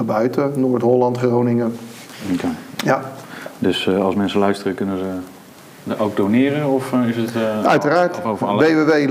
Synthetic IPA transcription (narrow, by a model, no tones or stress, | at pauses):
bœɥtənoːɹtɦɔlɑntχrownɪŋə | kajadøsɑlˠsmɛnsəlœɥstərəkɵnəzə | ʔowɡ̚downɪːɾənɔfɪsətœ̰ɥtəraːɹtʋejʋeʋej